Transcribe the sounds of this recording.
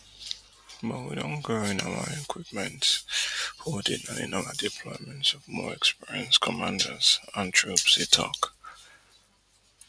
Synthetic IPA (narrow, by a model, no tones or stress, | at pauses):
bʌtwidõnɡoɪ̃na̰wə̰ɛkʰwip̚mɛ̃nt | hɔdɪ̃nãnɪ̰̃nawədipʰlɔɪmɛ̃ntsɔvmɔ̰ɛkspiɹiə̃nskʰɔmãndəz̥ə̃ntʰɹupsitʰɔ̰k